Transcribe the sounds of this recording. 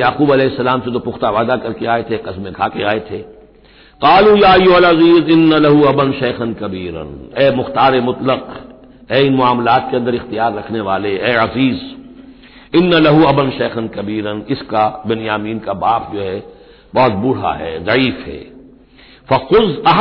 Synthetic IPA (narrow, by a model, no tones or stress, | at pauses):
jaːquːbɐlɛːɦɪsːɐlaːmset̪opʊxt̪aʋaːd̪akɐɾkeaːet̪ʰeqɐsmẽkʰaːkeaːet̪ʰeː | qaːlujaːɐjːʊɦɐlɐziːzɪnːalɐɦuɐbənʃɐːxɐnkɐbiːɾə̰nɛːmʊxt̪aːɾemʊt̪ləq | ɛːɪnmʊaːmlaːt̪̚keɐ̃nd̪əɾɪxt̪ijaːɾːɐkʰneʋaːleɛːɐziːz | ɪnːalɐɦuɐbənʃɛːxənkɐbiːɾənɪskabɐnjaːmiːnkabaːp̚d͡ʒoːɦɛ | bɔːt̪̚bʊɽ̤a̰ɦɛ̰ːzɐʕiːfɦɛ̰ː | fɐxʊzɐɦ